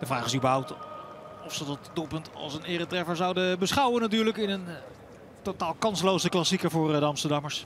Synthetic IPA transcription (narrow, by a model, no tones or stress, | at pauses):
dəvraːχɪsybəɹɦʌwp̚t | ɔfsədɔtdulˠpɵntɑ̰lˠsənɪːrətrɛfəɹzɑwdəbəsχɑwənatyːɹləkɪnən | totaːlˠkɑnslowzəklɑsikəvʊːɹdəɑmstəɹdɑməɹs